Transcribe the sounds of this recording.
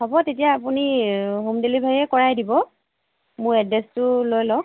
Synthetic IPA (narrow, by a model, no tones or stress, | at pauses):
ɦɔbɔtetijaːpuniɦumdelibʱaɛkɔɹajdibɔ | mʊɹɛdɛstʊlojlɔk